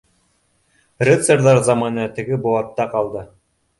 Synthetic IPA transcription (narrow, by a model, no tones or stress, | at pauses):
rʲet̪seɾðɑɾzɑmɑnɤt̪ɘ̆ɡɘbuɑt̪ːɑqɑlˠd̪ɤ